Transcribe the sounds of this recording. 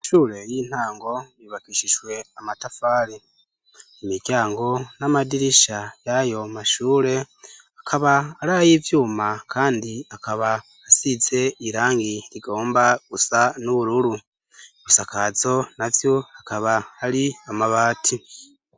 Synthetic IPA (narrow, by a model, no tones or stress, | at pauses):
ʃuːɾe̞jiːn̥haːŋɡo̞jiβakiːʃiʒwe̞amatafaːɾi | imiɾɟaːŋɡo̞namadiɾiʃajajo̞maʃuːɾe̞ | akʰaβaːɾaːjivjuːmakʰaːndiakaβaː | size̞iɾaːŋɡiɾiɡo̞ːmbaɡ̥usanuβuɾuɾu | ɡusakazo̞navjo̞akaβaːɾiamaβaːtʰi